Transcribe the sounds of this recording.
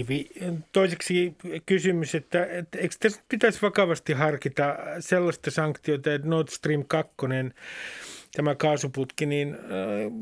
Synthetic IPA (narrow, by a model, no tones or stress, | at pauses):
ʋit̪oiseksikysymyset̪ːæet̪ːeikst̪æsnyt̪̚pit̪æsʋɑkɑʋɑst̪ihɑrkit̪ɑselːɑst̪ɑsɑŋkt̪iot̪ɑet̪nort̪st̪riːmkɑkːonen | t̪æmækɑːsuput̪kinin